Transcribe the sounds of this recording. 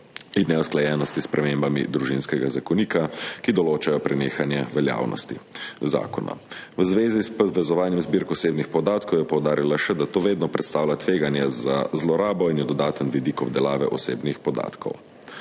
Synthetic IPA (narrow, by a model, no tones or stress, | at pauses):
inːɛusklajɛːnɔst̪ispɾʔɛmembamḭd̪ɾuʒinskɛɡazakɔniːkakid̪ɔloːt͡ʃajɔpɾɛneːxanjɛʋɛlja̰ːwnʔɔ̰st̪iza̰ːkɔna̰ʋəzʋeːzispɔʋɛzɔʋaːnjɛmzbiːɾkɔseːbnixpɔd̪aːt̪kɔwjɛpɔwd̪aːɾilaʃɛd̪at̪oːʋeːd̪nɔpɾɛt̪st̪aːwlʲat̪ʋeːɡanjɛza̰zlɔɾaːbɔinjɛd̪ɔd̪aːt̪ənʋid̪ikɔb̚d̪ɛlaːʋɛ̰ʔɔsḛːbnixpɔd̪a̰ːt̪kʰɔ̰w